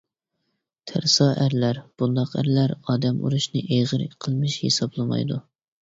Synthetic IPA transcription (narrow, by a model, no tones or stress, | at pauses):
t̪ʰæɾsɑːʔæɾlæɾb̥und̪ɑqæ̰ɾlæɾɑːd̪ɛmʔṵɾuʃnɨʔejʁəɾɪ̰qʰəlˠmɨʃhḛsɑblˠɨmɑ̰jd̪u